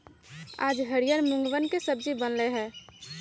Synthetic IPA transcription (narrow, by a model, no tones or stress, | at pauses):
aːd͡ʒɦəɽijəɾmʊ̃ŋɡʋənkesəb̚d͡ʒibənleɦɛ̃ː